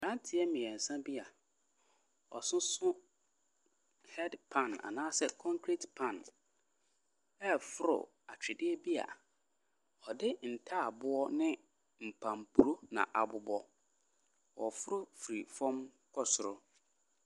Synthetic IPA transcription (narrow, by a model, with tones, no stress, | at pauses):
ɾã˦ntʰɪ˨ɛ˦mɪ̃˨ɛ˨n̩˨sã˦bi˦a˨ | ɔ̰˨sʊ̃˦sʊ̃˦ | hɛ˦dpʰã˦˨na̰˨nãː˦sɛ˦kʰɔ̃˦ŋkʰɾi˨tpʰã˦˨n | ɛ˦fʊ˦ɾʊ̰˨ | a˨t͡ɕᶣɪ˨dɪ˦ɛ˦bi˦a̰˨ | ɔ˨dɪ˦n̩˨tʰa˦a˨bʊ˦ɔ˦nɪ̃˦ | m̩˨pʰã˨m˨pʰu˨ɾo˦nã̰˨ʔa˨bʊ˨bɔ˦ | wɔ̰˨fʊ˦ɾʊ˦fɾi˨fɔ̃˦m | kʰɔ˦sʊ˨ɾʊ˨